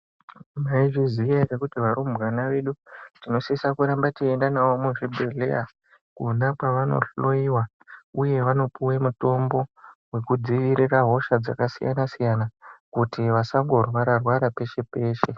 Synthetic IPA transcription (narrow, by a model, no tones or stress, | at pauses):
maiʐizijarekutiʋaɾumbɣanaʋeɗutino̞sisakuɾambatiendanawomuʐibʱe̞ɮe̞̰ja | kunakwaʋano̞̰ɬo̞iwa | uje̞ʋano̞pʰuwemuto̞mbo̞we̞kud͡ziʋiɾiraɦo̞ʃad͡zakasija̰nasijanakutiʋasaŋɡo̞rwaɾarwaɾape̞ʃe̞pe̞ːʃe̞